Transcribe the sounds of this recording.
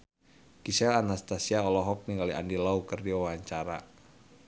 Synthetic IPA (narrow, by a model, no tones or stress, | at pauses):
kisɛlanast̪asiaɔlɔɦɔk̚niŋɡaliʔa̰ndilaukərdiwaawaɲt͡ʃaɾa